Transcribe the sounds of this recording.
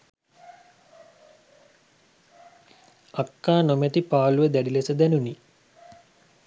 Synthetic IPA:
akːaːnomet̪ipaːluʋəd̪æɖilesəd̪ænuni

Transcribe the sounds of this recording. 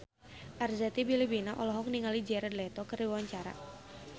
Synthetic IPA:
ʔarzat̪ibilibinaʔɔlɔɦɔk̚niŋalid͡ʒɛɾɛd̪lɛt̪ɔkərdiwawaɲt͡ʃaɾa̰

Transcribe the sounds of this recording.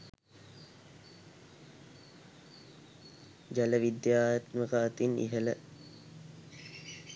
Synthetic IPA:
d͡ʒæləʋid̪jaːjɐt̪məkəːt̪inḭɦələ

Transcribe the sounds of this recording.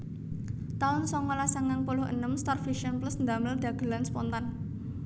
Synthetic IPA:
t̪aʊnsɔŋolasaŋaŋpulʊhə̰nəmst̪ɔrfiʃiɔnplʊsnd̪aməld̪̥a̤ɡ̥ə̤lanspɔnt̪an

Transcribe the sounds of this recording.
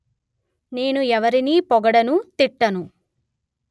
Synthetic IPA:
ne̞ːnuɛʋɐɾiniːpɔɡɐɽɐnut̪iʈːɐnu

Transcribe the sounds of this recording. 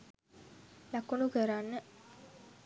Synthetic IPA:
lakunukəɾanːə

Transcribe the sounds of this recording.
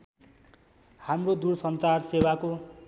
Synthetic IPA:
hamrod̪uɾsʌnt͡sarsewako

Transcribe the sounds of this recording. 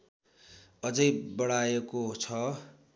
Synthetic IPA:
ʌd͡zʌjbʌɽajekot͡sʰʌ

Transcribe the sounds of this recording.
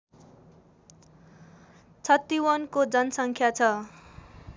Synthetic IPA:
t͡sʰʌt̪ːiwʌnkod͡zʌnʌsʌŋkʰjat͡sʰʌ

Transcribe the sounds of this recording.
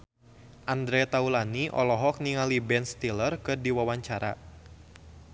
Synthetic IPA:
ʔand̪ɾɛt̪aulaniʔɔ̰lɔɦɔk̚niŋalibɛnst̪ilərkɨrdiwawaɲt͡ʃaɾa̰

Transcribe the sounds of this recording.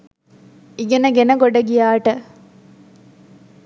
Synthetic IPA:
iɡenɐɡenɐɡoɖɐɡijaːʈə

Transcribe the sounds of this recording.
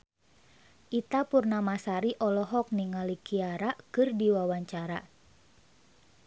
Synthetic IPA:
ʔit̪apurnamasaɾiʔɔlɔɦɔk̚niŋalikiaɾakɨrdiwawaɲt͡ʃaɾa

